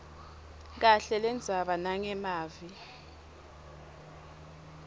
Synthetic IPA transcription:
k̬aɬɛlɛnd͡zʱaɓanaŋɛmaːvi

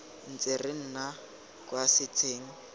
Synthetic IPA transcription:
n̩t͡serɪn̩na | kʼwasɪt͡sʰʼeːŋ̩

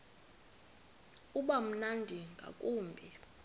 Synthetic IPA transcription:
uɓam̩nandʱiŋɡʱa̰kʼuːmbʱi

